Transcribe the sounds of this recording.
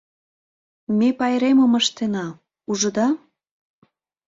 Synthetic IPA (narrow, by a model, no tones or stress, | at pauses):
mepɑjɾeməməʃt̪enɑ | uʒə̆d̪ɑ